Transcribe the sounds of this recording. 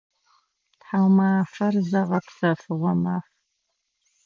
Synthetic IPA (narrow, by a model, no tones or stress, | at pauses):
tħawmaːfɐrzɐʁɐpʰsɐfɨʁʷɔmaːf